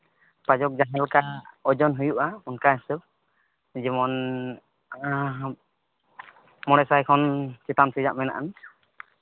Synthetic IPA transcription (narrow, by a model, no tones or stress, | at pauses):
pad͡ʒɔk̚d͡ʒaɦɛlkaɔd͡ʒɔnɦujuʔaunkaɦɛsəb̚ | d͡ʒimɔn | mɔɽɛsajkʰɔnt͡ʃɛt̪amsid͡ʒaʔmɛna̰ʔan